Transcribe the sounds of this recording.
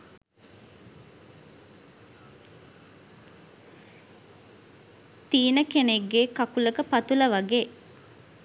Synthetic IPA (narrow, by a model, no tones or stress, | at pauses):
t̪iːnəkeneɡːeːkakuləkəpat̪uləʋaɡeː